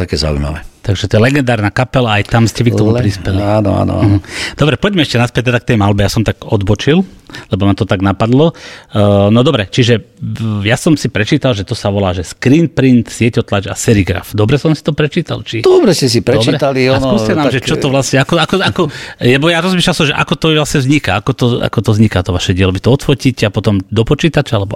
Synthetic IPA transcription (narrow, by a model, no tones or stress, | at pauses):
t̪akɛːza̰ṵjma̰ʋɛ̰t̪aɡʒɛt̪ɔɛlɛɡɛnd̪aːɾnaːkapɛlaːjt̪amscɛʋik̪̚ɔmupɾispɛlianɔ̰a̰nɔ̰a̰ɦ̩d̪ɔbɾɛpɔɟmɛɛʃcɛnaspɛc̚t̪ɛd̪ak̚t̪ɛjmalbɛjasɔmt̪aɡɔd̪bɔt͡ʃillɛbɔnat̪ɔt̪aɡnapad̪lɔ | nɔd̪ɔbɾɛt͡ʃiʒɛjasɔmsipɾɛt͡ʃiːt̪alʒɛt̪ɔsaʋɔlaːʒɛskɾint̪̚pɾint̪sɪɛcɔt̪lat͡ʃa̰sɛɾiɡɾa̰fd̪ɔbɾɛsɔmsi̥t̪ɔpɾɛt͡ʃiːt̪a̰lt͡ʃid̪ɔbɾɛscɛsipɾɛɾɛt̪alisuːscɛnaːmʒɛt͡ʃɔt̪ɔʋlasɲɛakɔakɔakɔlɛbɔjaɾɔzmiːʃlalsɔmʒɛʔa̰kɔt̪ɔʋlasɲɛvzɲikaakɔt̪ɔa̰kɔt̪ɔzɲikat̪ɔʋaʃɛɟɪɛlɔʋit̪ɔɔt̪fɔciːcɛapɔt̪ɔmd̪ɔpɔt͡ʃiːt̪at͡ʃalɛbɔ